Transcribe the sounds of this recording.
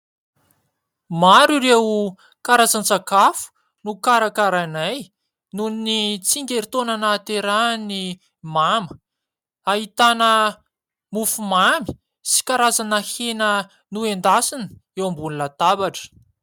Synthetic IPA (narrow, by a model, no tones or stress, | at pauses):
maɾuɾewu | kaɾazant͡sakafu̥ | nukaɾakaɾanaj | nunit͡siŋɡʲeɾit̪onanat̪eɾani | mamə̥ | aɦit̪anə | mufumami̥ | si̥kaɾazanahenə | nuend̪asini̥ewambunlat̪abaʈ͡ʂə̥